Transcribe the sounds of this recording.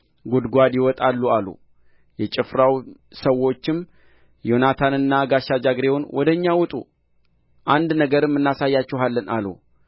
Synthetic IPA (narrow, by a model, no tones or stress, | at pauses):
ɡud̪ɡʷad̪jɪwɔt̪ʼalːualṵ | jɛt͡ʃʼɪfɾaw | səwːo̞t͡ʃːɪm | jo̞nat̪ʰanɨnːaɡaʃːad͡ʒaɡɾe̞wʊnwʔɔd̪əɲːawʊt̪ʼṵ | ʔand̪nəɡəɾɨmːɨnːasajːat͡ʃːɛɦalːəna̰lṵ